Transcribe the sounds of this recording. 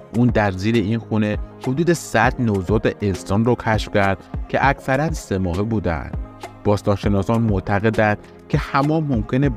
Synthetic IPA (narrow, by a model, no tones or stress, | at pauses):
ʔuːnd̪æɾziːɾe̞inxune̞hod̪uːd̪e̞sæd̪nozɒːt̪eʔensɒːnrɔːkʰæʃfcʲʰæɾd̪̥cʰe̞̰ʔækʰsæɾænse̞mɒːɦebuːd̪æ̰nd̪̥b̥ɒːst̪ɒːnʃe̞nɒːsɒnmot̪ʰæɣe̞d̪ænd̪̥ | cʰe̞hæmɒːmomcʰe̞ne